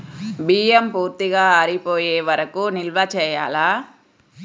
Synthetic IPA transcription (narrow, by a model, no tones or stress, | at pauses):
biːjempuːɾt̪iɡaːɐɾipoːjeːʋɐɾɐkunilʋɐt͡ʃɛːja̰ːlaː